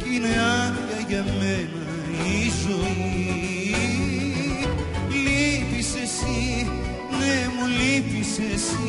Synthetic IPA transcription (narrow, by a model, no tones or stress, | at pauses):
ineanjɐʝɐmenɐ | izo | i | lipisesi | nemulipisesi